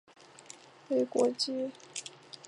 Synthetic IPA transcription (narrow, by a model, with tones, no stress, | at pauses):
we˧˥ɪkwɔ̰˧˥t͡ɕi˥